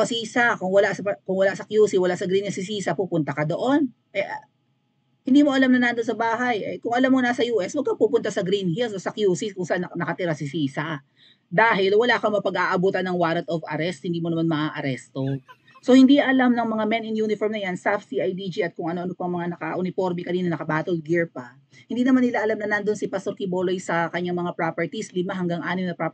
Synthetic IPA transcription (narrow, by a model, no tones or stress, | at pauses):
osiːsɐkʊŋwɐlaʔsɐpɐkʊŋwɐlaʔsɐkjuːsiwɐlaʔsɐɡɾinhilsɪsiːsɐpupʊnt̪ɐkɐd̪o̞ʔo̞n | ʔɛʔ | hɪnd̪iːmo̞ʔɐlamnɐnand̪onsɐbaːɦɐjʔɛkʊŋɐlamːonasɐjuːʔɛswɐɡ̚kapuːpʊnt̪asɐɡɾinhilsosɐkjuːsikʊŋsɐʔannɐkɐt̪ɪɾasɪsiːsɐ | d̪aːɦɪlwɐlaːkɐŋmɐpɐɡaːʔɐbuːt̪ɐnɐŋwaːɾɐt̪ovɐ̰ɾɛst̪̚hɪnd̪iːmonɐmanmɐʔaːʔɐɾɛst̪o | so̞hɪnd̪iʔɐlamnɐŋmɐŋamɛnɪnjuːnɪfoɾmnɐjansafsiʔɐjd̪id͡ʒiʔɐt̪̚kʊŋɐnoʔɐnopɐŋmɐŋanɐkɐ̰ʔʊnɪfo̞ɾmikɐniːnɐnɐkɐbaːt̪olɡɪɹpɐ | hɪnd̪iːnɐmanɪlaʔɐlamnɐnand̪onsɪpɐst̪oɾkibolojsɐkɐɲaŋmɐŋapɾapɛɹt̪islɪmaɦɐŋɡaŋʔaːnɪmnɐpɾa